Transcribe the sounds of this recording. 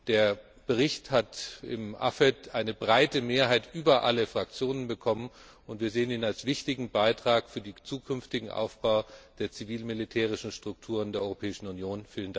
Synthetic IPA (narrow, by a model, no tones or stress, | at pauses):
d̥eːɐ | b̥əʁ̞ɪçthatɪ̰mʔa̰fɛtʔaɪnəbʁaɪtəmeːɐɦaɪtʔyːbɐʔaləfʁ̥ak̚t͡sjoːnənbəkʰɔmən | ʊntv̥iːɐzeːəniːnalsv̥ɪçtɪɡŋ̩baɪtʁ̥aːkfyːɐdiːt͡suːkʰʏnftɪɡŋ̩ʔa̰ʊfb̥aʊd̥eːɐt͡siviːlmilitʰɛːʁ̞ɪʃn̩ʃtʁ̥ʊk̚tʰuːʁ̞əndeːɐɔʏʁopʰɛːɪʃn̩unjoːnfiːlənda